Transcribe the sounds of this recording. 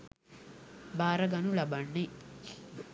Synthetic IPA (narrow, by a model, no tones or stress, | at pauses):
baːɾɐɡɐnulɐbanːe